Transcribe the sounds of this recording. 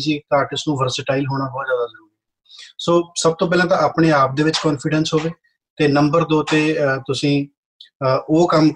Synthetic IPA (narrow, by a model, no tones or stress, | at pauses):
siːt̪aːʈɪsnũːʋəɾsɪʈaːɪlɦoːɽ̃aːbɔːt̪zjaːd̪aːzəɾuːɡ | soːsəb̚t̪õːp̬ɛːlãːt̪ãːaːpɳeːaːp̚d̪eːʋɪt͡ʃkɔːnpʰɪɖənsɦoːʋeː | t̪eːnəmbəɾd̪oːt̪eːt̪ʊsĩː | oːkəm